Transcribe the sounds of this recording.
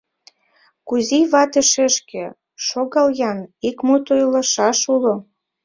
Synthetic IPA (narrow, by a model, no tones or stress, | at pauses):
kuziβɑt̪ĕʃeʃkĕ | ʃoɣɑljɑnikmut̪ojlɑʃɑʃulo